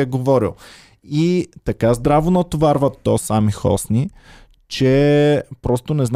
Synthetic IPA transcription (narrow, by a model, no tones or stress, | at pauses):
ɛɡovɔɾḭlˠ | it̪ɐkazd̪ɾavonɐt̪ovaɾvɐt̪ːɔsamixɔ̰sni | t͡ʃɛpɾɔst̪onɛzn